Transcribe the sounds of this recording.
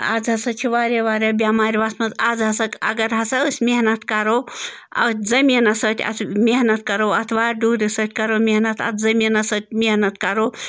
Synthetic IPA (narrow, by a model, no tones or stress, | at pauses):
a̰ːd͡zɦɐsɐt͡ʃʰiʋaːɾeʋaːɾɐbʲaːmaːɾʲʋasmɐzaːd͡zɦɐsɐkɐ̰ɡɐɾɦɐsaəsʲmeɦnɐt̪kɐɾo | ɐ̰t̪ʲʰzɐmiːnɐsət̪ʲʰɐ̰t̪ʰmʲeɦnɐt̪̚kɐɾoːɐt̪ʰʋaːɖuːɾisət̪ʲkɐɾoːmʲeɦnɐt̪ʰɐ̰t̪ʰzɐmiːnɐsət̪̚ʲʰmeɦnɐt̪̚kɐɾoː